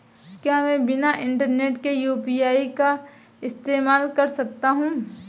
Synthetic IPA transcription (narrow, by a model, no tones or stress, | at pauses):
kjaːmɛ̃ːbɪnaʔɪ̃ɳʈəɾneːʈkejuːpiːaːika | ɪst̪eːmaːlkɐɾsɐk̚t̪aɦũː